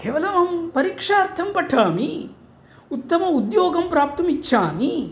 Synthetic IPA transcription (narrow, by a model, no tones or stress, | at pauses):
kɛːʋɐlɐmɐːmpɐɾiːkʂɐɐɾt̪ʰɐmpɐʈʰaːmi | ut̪ːɐmɐud̪joːɡɐmpɾaːp̚t̪ɐmit͡ʃːʃʰaːmi